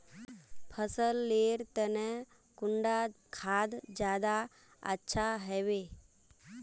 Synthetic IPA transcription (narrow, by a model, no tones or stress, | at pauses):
pʰəsəlːeɾt̪əne | kʊɳɖakʰaːd̪d͡ʒjaːd̪a | ə̰tːʃʰaɦɛʋe